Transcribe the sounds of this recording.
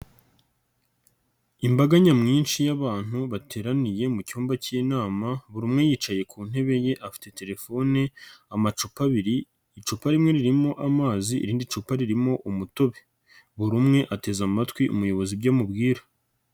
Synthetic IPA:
imbaɡaɲamŋiːnʃijaβaːn̥huβatʰeːɾanije̞mucuːmbaciːnaːmaβuɾumŋe̞jiːt͡ʃaje̞kʰuːn̥he̞βe̞je̞ʔafi̥te̞te̞ɾe̞fo̞ne̞amat͡ʃupaβiɾiː | t͡ʃupaɾimŋe̞ɾiɾimo̞ʔamaːziḭɾiːndit͡ʃupaɾiɾimo̞ʔumuto̞βe | βuɾumŋe̞ʔate̞zamatwiʔṵmujo̞βo̞zibɟamubɡiːɾḁ

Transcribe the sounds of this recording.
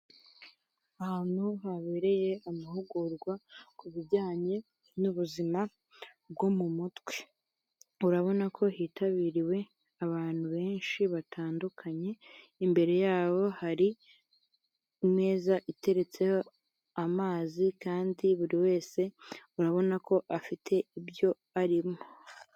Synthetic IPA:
ahaːn̥huɦaβe̞ɾe̞je̞ʔamaɦuɡuɾɡwakuβiɾɟaːɲe̞ | nuβuzima | b̚ɡo̞mumutwe̞ | uɾaβo̞nakʰo̞hiːtʰaβiːɾiwe̞ | aβaːn̥huβe̞ːnʃiβatʰaːndukʰaɲe̞ | imbe̞ɾe̞jaːβo̞haɾi | mŋe̞ːzaʔite̞ɾe̞t͡se̞ho̞ | amaːzikaːndiβuɾiwe̞ːse̞uɾaβo̞nako̞ʔafitʰe̞ibjo̞ | aɾimo

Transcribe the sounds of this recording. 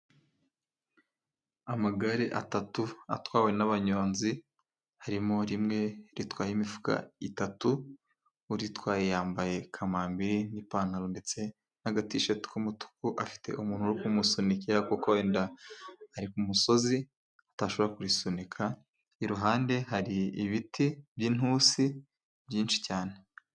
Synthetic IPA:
amaɡaɾiʔatatua̰twaːwe̞naβaɲo̞ːnzi | haɾimoɾimŋe̞ɾitwaːjimifu̥ka̰itatuː | ɾitwaːjejaːmbaje̞kʰamaːmbiɾinipaːnaɾonde̞t͡se̞ | naɡatiʃeti̥kumutu̥kuʔafi̥te̞̰ʔumuːn̥uɾikumusonikiɾakukoeːndaː | ɾikumuso̞zi | ataʃo̞βoɾakuɾisonikʰa | iɾuɦaːnde̞ɦaɾiːβitʰibjin̥huːsi | bjiːnʃi̥caːne

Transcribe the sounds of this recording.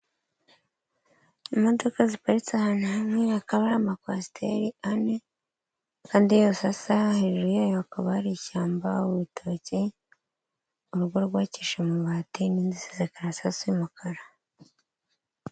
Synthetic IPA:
imo̞do̞kazipaɾit͡sahanahamŋeakaβaɾamakwasi̥tʰḛɾiane | kaːndijosasaheʒuɾujaːjoakaβaaɾicaːmbauwitʰoci | uɾuɡwoɾɡwaːciʃemuβatiniːnzisizekaɾasasiimukʰaɾa

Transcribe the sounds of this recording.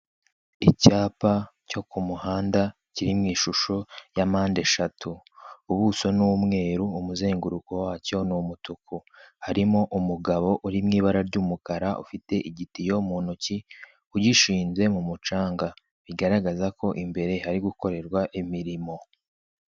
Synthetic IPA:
icaːpaco̞kumuhaːnda | ciɾimŋiːʃuʃojamaːnde̞ʃatʰu | uβuso̞nuwumŋe̞ːɾuumuze̞ːŋɡuɾuko̞waːco̞numutukʰu | haɾimo̞ʔumuɡaβo̞ʔuɾimŋiːβaɾaɾɟuːmukaɾaʔṵfite̞ʔiɟitijo̞muːnuci | uɟiʃiːnze̞mumut͡ʃaːŋɡa | βiɡaɾaɡazako̞ʔimbe̞ɾe̞haɾiɡuko̞ɾe̞ɾɡwaʔimiɾimo̞

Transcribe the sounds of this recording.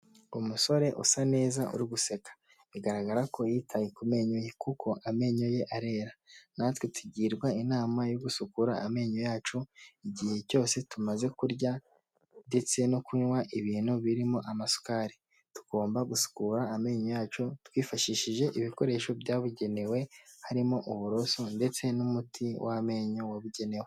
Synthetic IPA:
umuso̞ɾe̞ʔṵsane̞ːzaʔṵɾiɡusekḁ | iɡaɾaɡaɾako̞jitʰajikume̞ːɲoje̞kuko̞ʔame̞ɲo̞je̞ʔaɾe̞ːɾanatwetʰuɟiːɾɡwainaːmajo̞ɡusukuɾaame̞ːɲojaːt͡ʃoiɟihe̞co̞ːse̞tumaze̞kuɾɟa | nde̞t͡se̞nokuɲwaʔiβiːnuβiɾimo̞ʔamasu̥kaːɾi | tu̥ɡ̥o̞ːmbaɡusu̥kuɾaːme̞ːɲojaːt͡ʃotwiːfaʃiʃiʒe̞ʔiβiko̞ɾe̞ːʃo̞bjaːβuɟe̞ne̞we̞haɾimo̞ʔuβuɾo̞so̞nde̞t͡se̞numutʰiwʔame̞ɲowaβuɟe̞ne̞we

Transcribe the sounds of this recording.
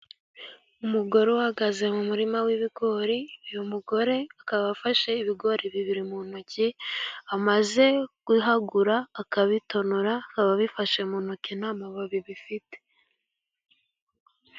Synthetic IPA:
umuɡo̞ɾewhaɡaze̞mumuɾimawiβiɡo̞ɾiujomuɡo̞ɾe̞akaβafaʃe̞iβiɡo̞ɾiβiβiɾimuːnuciamaze̞kuɦaɡuɾaːkaβito̞nuɾakaβaβifaʃemuːnukinaːmaβaβiβifite̥

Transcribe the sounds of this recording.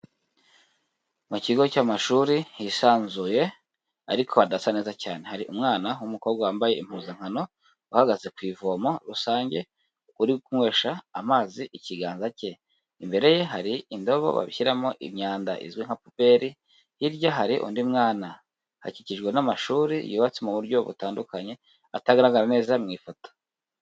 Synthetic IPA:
muciɡo̞caːmaʃuɾihisaːnzuje̞ | a̰ɾikʰo̞adasaneːzacaːne̞haɾiʔumŋaːnawumuko̞ːbɡawaːmbaje̞im̥huːzaŋ̥hano̞ | uhaɡaze̞kwiːvomo̞ɾusaːɲɟe̞ | ukuɾikumŋwe̞ːʃaːmaːziʔiciɡaːnzace̞ | imbe̞ɾe̞je̞ɦaɾiindo̞βo̞̰βa̰βiçiɾamo̞̰ʔḭmɲaːnda̰ʔḭzwiŋ̥hapupe̞ɾi | hiɾɟaɦaɾiʔṵndimŋaːna | ha̰ciciʒɡwe̞namaʃuːɾḭjuːβat͡semuβuɾɟo̞βṵtaːndukaɲe̞ | ataɡaɾaɡaɾane̞ːzamŋiːfoto̥

